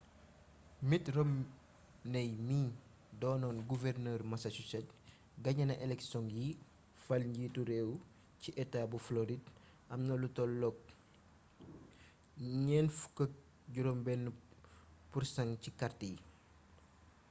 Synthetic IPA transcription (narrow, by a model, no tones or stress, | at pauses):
mitrɔm | nɐjmiː | dɔːnɔːnɡuvɛrnəːrmɐsɐt͡ʃusɛt̚ | ɡɐɲɐnɐʔɛlɛksɔŋji | fɐlɲɟituɾeːw | ciʔɛtabufloɾid | ɐmnɐlutɔlɔk̚ | ɲɛːnfu̥kːək̚ | ɟuɾɔmbɛn | pursɐŋcikɐrtij